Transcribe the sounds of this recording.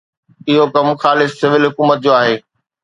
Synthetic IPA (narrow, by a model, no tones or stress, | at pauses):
ɪɦokɐmxaːlɪssɪʋɪlɦʊkuːmət̪̚d͡ʑoːaːɦeː